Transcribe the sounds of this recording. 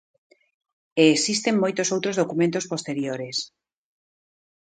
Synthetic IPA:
eːsist̪eŋmojt̪osowt̪ɾozð̞okumẽnt̪ospost̪eɾjoɾes

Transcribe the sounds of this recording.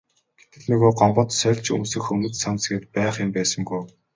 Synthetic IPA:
ɡ̥et̪ɘ̆ɮnɵɣoːɢɔmɢɞ̆t̪sœːɮt͡ɕɵ̰msɘ̆xɵnɵ̆t̪sansɡɘ̆t̪̚pæːχɪ̆mpæːsə̆ŋɡuj

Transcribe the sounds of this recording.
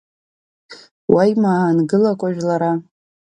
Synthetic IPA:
wajmaːnɡɨlakʷʼaʒᶣlaɾa

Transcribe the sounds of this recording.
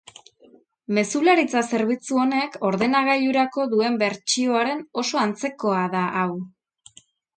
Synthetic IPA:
me̞sulaɾit͡sase̞ɾβ̞it͡suo̞ne̞ko̞ɾðe̞naɣ̞aʎuɾako̞ðue̞mbe̞ɾt͡ʃio̞aɾe̞no̞so̞ant͡se̞ko̞aðaʔaw

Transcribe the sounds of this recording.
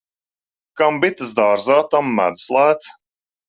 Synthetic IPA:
kambit̪ɨzd̪aːɾzaːt̪amːæ̰d̪slˠaːt̪s

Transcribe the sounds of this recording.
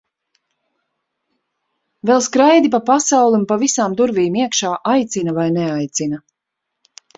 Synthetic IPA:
vɛlˠskɾajd̪ip̬apasawlˠiumpavisaːmd̪uɾviːmiɛkʃaːʔajt̪sinɐvajnɛajt̪sinɐ

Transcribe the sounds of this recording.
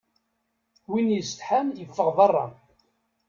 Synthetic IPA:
winjəst̪ħamjəfːəʁðɑrˤːɑ̰

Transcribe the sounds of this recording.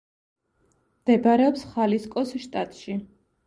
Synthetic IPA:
md̪̥ɛbaɾɛɔpsχaliskʼɔsʃt̪ʼat̪ʼʃi

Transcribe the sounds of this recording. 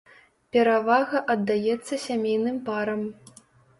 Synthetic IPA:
pʲɛɾavaɣɐʔɐd̪ːajɛt̪sːɐsʲamʲejnɨmpaɾɐm

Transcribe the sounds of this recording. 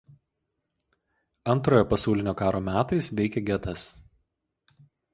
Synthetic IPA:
ɐnˑt̪ɾoːjoːpɐsɑˑʊlʲɪnʲoːkɑːɾoːmʲæːt̪ɐɪsʋʲɛɪkʲeɡʲɛt̪ɐs

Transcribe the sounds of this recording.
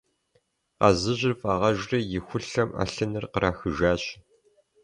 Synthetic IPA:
qɑzɨʑɪrfʼaːʁɐʒʷrɐjɪxʷʊɬɐma̰ɬɨnɨrqəɾʔaːxɨʒaːɕ

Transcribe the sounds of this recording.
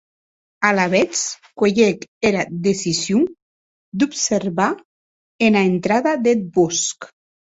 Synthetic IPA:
alaβet͡s | keʎekeɾad̪esizju | d̪upseɾβa | enaent̪ɾaðaðet̪̚bɔsk

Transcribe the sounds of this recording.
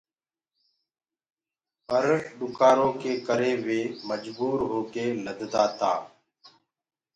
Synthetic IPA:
pəɾɗʊkaːɾõːkeːkəɾeːʋeːməd͡ʒbuːɾɦoːkeːləd̪d̪aːt̪aː

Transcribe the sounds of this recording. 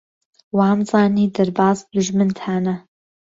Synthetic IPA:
waːmzˤɑːniːd̪ɐɾbɑːzbd̪uʒmɨnt̪ʰaːnɐ

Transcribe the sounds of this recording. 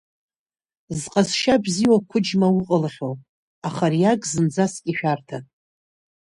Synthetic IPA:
zqʼasʃabziwakʷʰʊd͡ʒmawʊqʼəlχʲo | aχaɾijaɡʼzɨnd͡zaskʲʼiʃᶣartʰa

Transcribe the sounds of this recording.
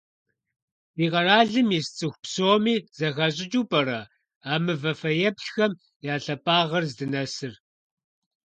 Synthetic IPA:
iːʁɐraːɮɨmjist͡sʼɨxʷpsoːmiːz̥ɐxɐɕʼɪt͡ʃʼuːpʼɐɾɐ | aːmɨvɐfɐjɛpɬxɐm | jaːɬɐpʼaːʁɐrzdɨnɐsɨr

